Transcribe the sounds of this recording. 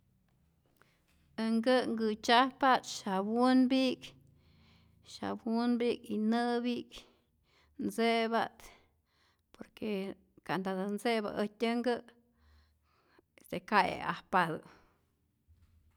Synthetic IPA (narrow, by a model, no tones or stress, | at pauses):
əŋɡɨŋɡɨt͡ʃahpat̪ʃabunbik | ʃa̰bunbikinɨbik | nt͡sebat̪ | poɾke | kand̪ad̪ant͡seba̰ʔətʲəŋɡɨ | esekajḛa̰hpad̪ɨ